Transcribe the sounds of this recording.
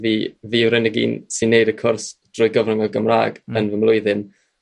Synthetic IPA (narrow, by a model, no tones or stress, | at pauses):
viːviːɾɛnɪɡḭːnsinːejdəkʰʊrsd̥rʊjɡəvrʊmɛɡəmra̰ːɡənvəmlˠʊɨðɨn